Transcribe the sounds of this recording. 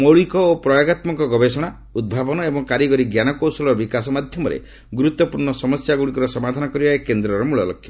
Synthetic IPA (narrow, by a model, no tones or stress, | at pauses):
moɭikɔopɾɔjaɡat̪mɔŋkɔɡɔbesɔɽ̃a | ud̪̚bʱabɔnɔebɔŋkaɾiɡɔɾiɡjanɔkowsɔlɔɾbikasɔmad̪ʱjɔmɔɾḛ | ɡuɾut̪wɔpuɾɳɔsɔmɔsjaɡuɽikɔɾɔsɔmad̪ʱanɔkɔɾibaekend̪ɾɔɾɔmuɭɔlɔkʰːjɔ